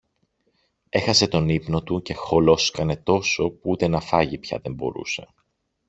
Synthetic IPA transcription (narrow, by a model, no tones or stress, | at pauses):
e̞xɐse̞t̪o̞nipno̞t̪uce̞xo̞lo̞skɐne̞t̪o̞so̞puut̪e̞nɐfɐʝipçɐ̰ðe̞mbo̞̰ɾṵse̞̥